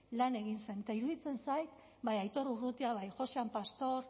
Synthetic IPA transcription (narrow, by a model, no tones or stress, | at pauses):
lane̞ɣinse̞nt̪aiɾuðit͡se̞nsajt̪ | bajajt̪o̞ɾurut̪iaβ̞ajʝo̞seampast̪o̞ɾ